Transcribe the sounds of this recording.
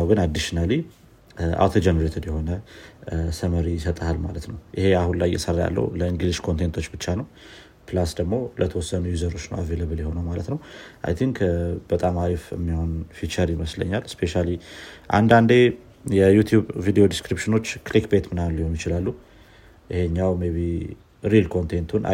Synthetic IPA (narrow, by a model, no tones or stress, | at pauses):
awɡɨnad̪ːɨʃnali | ʔa̰wt̪ʰod͡ʒɛnɾet̪ʰɨd̪jɛho̞nə | səməɾijɪsət̪ʼahalmalət̪nəwjɪhe̞ahunlajːɛ̰sərja̰lːə̰wləiŋɡliʃkʰo̞nt̪ʰent̪ʰo̞t͡ʃːbɨt͡ʃːanəw | plasd̪əɡmo̞lʔət̪ʰəwɔsːənujuzəɾo̞t͡ʃːnə̰wa̰veləβɨljɛho̞nəwmalə̰t̪nəwʔa̰jt̪ʰiŋkb̥ət̪ʼamaɾifɪ̰mːihonfit͡ʃəɾiməslə̰ɲːalspʰeʃaliʔa̰nd̪and̪e̞ | jɛjut̪ʰjubvid̪eo̞d̪iskɾipʃɨno̞t͡ʃːklikbet̪mɨnalːihonjɪt͡ʃɪlalːu | ʔɪheɲːawmeβi | ɾilkʰo̞nt̪ʰent̪ʰun̰